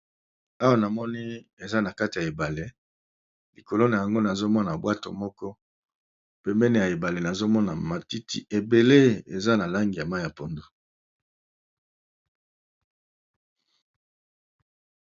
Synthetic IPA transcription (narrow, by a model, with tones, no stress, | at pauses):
a˦wa˦na˨mɔ˦ni˦e˨za˦na˨ka˦ti˨ja˨e˨ba˨le˦ | li˨ko˨lo˦na˨ja˨ŋɡo˦na˨zo˦mɔ˦na˨bwa˦to̰˨mɔ˦kɔ˦ | pɛ˦mbɛ˦ne˨ja˨e˨ba˨le˨na˨zo˦mɔ˦na˨ma˨ti˦ti˨e˨be˨le˦ḛ˨za˦na˨la˦ŋɡi˨ja˨ma˦ja˨po˨ndo˦